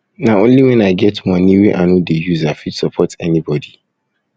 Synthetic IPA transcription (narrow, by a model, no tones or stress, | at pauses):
nãõnliwɛ̃naɪɡɛtmɔ̃nĩwiʔãnũdejuzafitsɔpʰɔtʰɛnibɔdi